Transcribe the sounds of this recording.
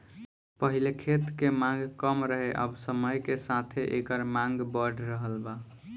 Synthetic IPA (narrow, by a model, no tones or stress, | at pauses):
pəɦilekʰet̪kemãŋɡkəmɾəɦeʔə̰bsəməjkesat̪ʰeʔekəɾmãŋɡbəɖʱɾəɦəlba